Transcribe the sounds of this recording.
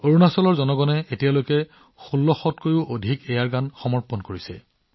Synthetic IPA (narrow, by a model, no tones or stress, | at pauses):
oɹunasɔlɔɹzɔnɔɡɔnɛetijalojkɛ | xulːɔxɔtkojʊʔodʱikɛjaɹɡanxɔmɔɹpɔnkoɹisɛ̰